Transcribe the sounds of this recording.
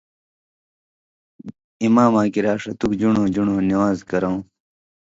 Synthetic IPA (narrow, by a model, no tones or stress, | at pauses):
imaːmãːkiɾaːʂɐt̪ukd͡ʑuɳõːd͡ʑuɳoːniwaːzkɐɾõw̃